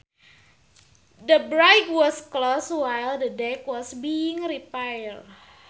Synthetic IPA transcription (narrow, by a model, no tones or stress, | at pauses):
dəbɾajkwɔskloswajld̪ədɛkwɔsbiɪ̃ŋɾipajl